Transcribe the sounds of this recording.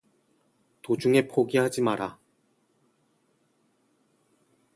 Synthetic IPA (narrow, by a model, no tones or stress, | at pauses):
tod͡ʑuŋe̞pʰoɡiɦad͡ʑimaɾa